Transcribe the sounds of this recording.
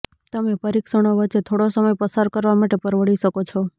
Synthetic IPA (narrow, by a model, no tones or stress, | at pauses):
t̪əmepəɾiksəɽ̃oʋət͡ʃet̪ʰoɽosəməjpəsaɾkəɾʋamaʈepəɾʋəɭiʃəkot͡ʃʰo